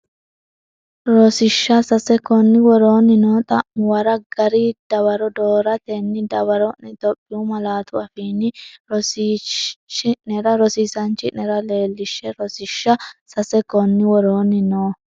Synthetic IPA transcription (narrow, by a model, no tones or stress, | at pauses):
ɾɔsɪʃːɐsɐsɛkɔnːɪwɔɾo̞ːnːɪnoːt̪ʼɐʔʊwɐɾɐɡɐɾid̪̥ɐwɐɾɔd̪oːɾɐt̪enːɪd̪ɐwɐɾɔɪt̪ʼɔpʼːɪʊmɐlaːt̪ʊɐfiːnːɪɾɔsit͡ʃːɪʔnɛɾɐɾɔsiːsɐnt͡ʃːɪnɛɾɐle̞ːlːɪʃːɛɾɔsɪʃːɐsɐsɛkɔnːɪwɔɾoːnːɪnoː